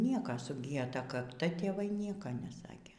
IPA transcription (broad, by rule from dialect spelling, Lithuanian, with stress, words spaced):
ˈnʲiɛkɐ sʊˈɡʲiːjɛ ˈtɐ kɐkˈtɐ tʲeːˈʋɐɪ ˈnʲiɛkɐ nʲɛˈsɑːkʲeː